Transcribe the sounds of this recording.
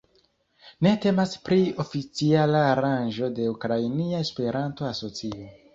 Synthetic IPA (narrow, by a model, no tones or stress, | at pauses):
ne̞te̞maspɾio̞fit͡sialaːɾanʒo̞de̞ukɾajniaespe̞ɾanto̞aso̞t͡sio